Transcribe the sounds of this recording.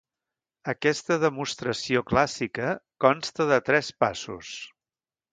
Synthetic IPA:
əkɛst̪əðəmust̪ɾəsioklasikəkɔnst̪əðət̪ɾɛspa̰sṵs

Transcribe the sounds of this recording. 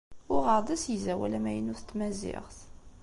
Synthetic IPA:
ʊʁəɾˤd̪ˤæsjəzæwæ̰læmæjənʊθət̪ːmæzɪ̰ʁθ

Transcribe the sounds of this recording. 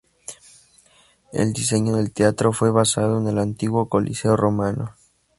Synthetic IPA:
ḛld̪ise̞ɲo̞ðe̞lt̪eat̪ɾo̞fwe̞βasaðoene̞lant̪iɣwo̞ko̞lʔḭse̞o̞ro̞mano̰

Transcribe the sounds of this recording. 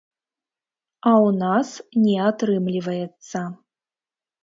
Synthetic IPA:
awnasnʲɛat̪ɾɨmlʲivɐjɛt̪sːɐ

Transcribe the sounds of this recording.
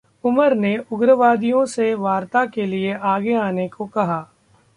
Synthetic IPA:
ʊməɾneʊɡɾəʋaːd̪ijõseʋaːɾt̪akelieaːɡeaːnekokɐɦaː

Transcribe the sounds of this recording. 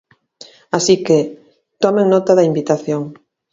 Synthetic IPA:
asike | t̪ɔmeŋnɔt̪aðɐimbit̪aθjoŋ

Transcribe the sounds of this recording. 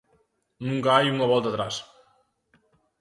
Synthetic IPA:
nuŋkajuŋaβɔlˠt̪at̪ɾas

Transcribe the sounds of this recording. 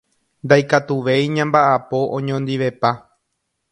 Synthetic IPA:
nd̪ajkat̪uʋe̞jɲãmbaʔapo̞ʔõɲõnd̪iʋe̞pa

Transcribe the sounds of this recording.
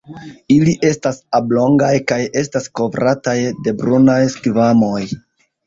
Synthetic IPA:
iliʔe̞stasablo̞ŋɡajkaje̞stasko̞vɾʔatajde̞bɾunajskvamo̞j

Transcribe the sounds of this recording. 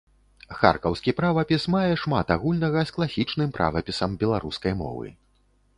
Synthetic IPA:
xa̰rkɐwskʲipɾavɐpʲismajɛʂmat̪aɣulʲnɐɣɐsklˠasʲit͡ʂnɨmpɾʔa̰vɐpʲisɐmbʲɛlˠaɾuskɐjmɔ̰vɨ̰

